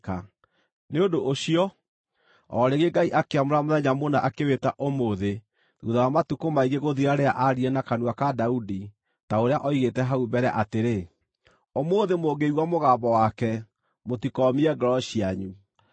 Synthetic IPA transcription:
ka | neondoʔːɕiɔ | ɔɾeɣeɡaiʔakeamoɾamoðɛɲamonaʔakewetaʔomoðe | ðuðawamatukomaiɣeɣoðiaɾeaʔaɾiɛnakanuakadaudi | taoɾeaʔɔiɣetɛɦaubɛɾɛʔateɾe | omoðemoːɡeiɣwamoɣaːbɔwakɛ | motikɔmiɛɡɔɾɔɕiaɲu

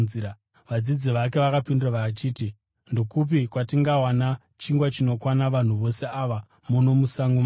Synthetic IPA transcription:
ʋad͡zid͡ziʋak̬e̞ʋakapinduraʋaat͡ʃiːti | ndo̞kup̬ikwatiŋɡawana | t͡ʃiŋɡwat͡ʃino̞kwanaʋan̤uʋo̞se̞aʋa | muno̞musaŋɡoma

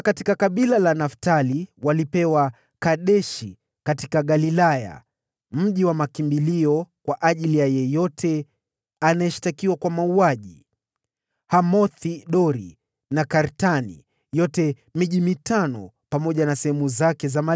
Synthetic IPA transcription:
katikakaɓilalanaftaliwalipɛwa | kaɗɛʃi | katikaɠalilaja̰ | m̩ʄiwamakimbiliɔkwaʔaʄilijajɛjɔtʰɛ | anajɛʃi̥takiwakwamauaʄi | hamɔθiɗɔɾi | nakaɾtanḭ | jɔtɛ | miʄimitanɔ | pamɔʄanasɛhɛmuzakɛzama

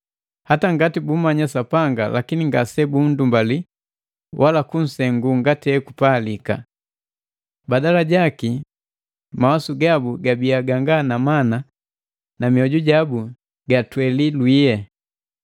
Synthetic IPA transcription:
hataŋɡatibum̩maɲasapaŋɡa̰lakiniŋɡasɛbun̩dumbali | wʔalakun̩sɛŋɡuŋɡatiɛkupalika̰ | badalaɟaki | mawasuɡabuɡabiaɡaŋɡanamana | namiɔɟuɟabu | ɡatwɛlilwijɛ

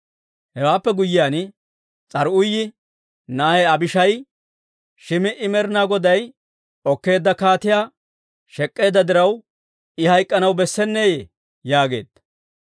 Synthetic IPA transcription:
hɛwaːpːɛɡʊjːɪjaːn | t͡sʼɐɾʊjːɪ | naːhɛɐbɪʃɐj | ʃɪmɪʔɪmɛɾɪnaːɡɔd̪ɐj | ɔkːe̞ːd̪ːɐkaːt̪ɪjaː | ʃɛkʼːe̞ːd̪ːɐd̪ɪɾɐw | ɪhɐjkʼːɐnɐwbɛsːɛnːeːje | jaːɡe̞̰ːd̪̥ɐ

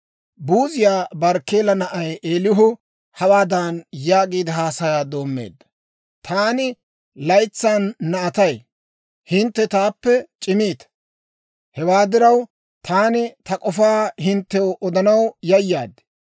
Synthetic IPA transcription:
buːzɪjaːbɐɾkːeːlɐnɐʔɐjʔeːlɪɦʊ | hɐwaːd̪aːnjaːɡiːd̪ɐɦaːsɐjaːd̪o̞ːmːḛːd̪ːɐ̥ | t̪ʰaːnɪ | lɐjt͡sːaːnːɐɐt̪ɐj | hɪnt̪ːɛt̪aːpːɛt͡ʃʼɪmiːt̪ɐ̥ | hɛwaːd̪ɪɾɐw | t̪ʰaːnɪt̪ɐkʼɔfaːhɪnt̪ːɛwʔɔd̪ɐnɐwjɐjːaːd̪

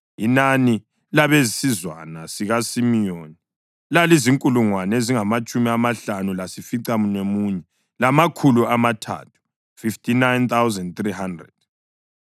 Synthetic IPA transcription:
inani | laβezisizwa̰nasiɣasimijoni | laliziŋkʼuluŋwaneziŋamat͡ʃʼumiamaɬanulasifiǀamunemuɲɛ | lamakʰuluamatʰa̰tʰu̥ | fiftʰʼinajnt̪awzɛndt̪riɦandrɛ̰d̥̚

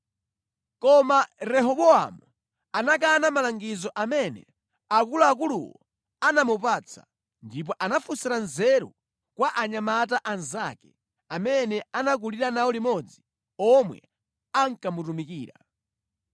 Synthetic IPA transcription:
kɔmaɾɛɦɔɓɔa̰mu | anak̬anamalaŋɡizɔʔamɛnɛ̰ | akulaːk̬ulṵwɔ̰ | anamupaːt͡sʰa̰ | ndip̬ɔʔanafusiɾanzɛɾṵ | kwaʔaɲamataʔanza̰kɛ | amɛnɛanak̬uliɾanawɔlimɔd͡zi | ɔmwɛ̰ | aŋ̩kamutumikiːɾa

